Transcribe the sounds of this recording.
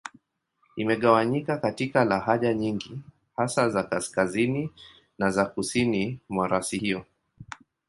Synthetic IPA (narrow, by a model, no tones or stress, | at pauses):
imɛɠawaɲikakatikalaɦaʄaɲiŋɡi | hasazakaskazini | nazakusinimwaɾasihiɔ